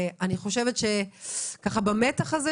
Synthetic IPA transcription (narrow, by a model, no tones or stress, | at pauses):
aniχo̞ʃevetʃekaχabamet̪aχaze